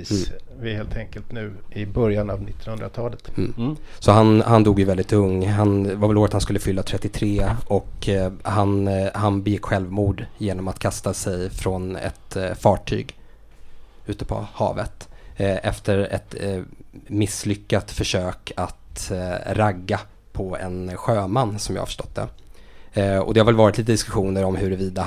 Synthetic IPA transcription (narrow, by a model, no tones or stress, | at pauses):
vɪheːlt̪ʰɛŋkəlt̪nʉ̟ːɪbœɾjanavnɪt̪ːɔnhɵnd̪ɾat̪ʰɑːlət̪ː | sɔhanhand̪uːɡjɵvɛld̪ɪt̪ɵŋːɦanvaɾvɛloːɾət̪hanskɵlːəfʏlːat̪ʰɾɛt̪ːɪt̪ʰɾeːʔɔkhanhanbɛjɪkːɧɛlvmuːɖjeːnɔmat̪kʰast̪asɛjfɾɔnɛ̰t̪fɑːʈʰy̰ːɡ | ʉ̟ːt̪əpʰɔ̰hɑ̰ːvət̪ʔɛft̪əɾɛ̰t̪ | mɪslʏkːat̪fœʂøːkʰat̪ɾaɡːa | pʰɔɛ̰nɧøːmanːsɔmjɑ̰ha̰fə̥ʂʈɔ̥t̪̚d̪ɛ̰ | ɔ̰d̪ɛhaɾvɛlvɑːɾɪt̪liːt̪əd̪ɪskɵɧuːnəɾɔmhɵɾɛviːd̪a